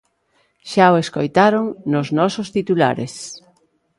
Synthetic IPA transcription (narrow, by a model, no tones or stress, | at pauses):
ʃaoeskojt̪aɾoŋnoznɔsost̪it̪ula̰ɾḛs